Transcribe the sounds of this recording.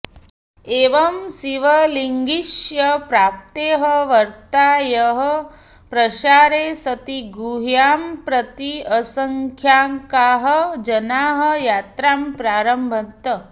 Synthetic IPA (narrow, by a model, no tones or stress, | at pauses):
eːʋɐmsiʋɐliŋɡiʂjɐpɾaːp̚t̪eːɦəʋɐɾt̪aːjɐɦɐ | pɾɐʃaːɾeːsɐt̪iɡuːɦjaːmpɾɐt̪iɐsɐŋkʰjaːŋkaːɦɐd͡ʒɐnaːɦɐ̆jaːt̪ɾaːmpɾaːɾɐmbʱɐt̪ːɐ